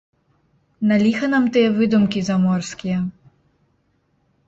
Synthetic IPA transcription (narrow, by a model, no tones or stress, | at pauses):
nalʲixɐnamt̪ɨjɛvɨd̪umkʲizamɔrskʲijɐ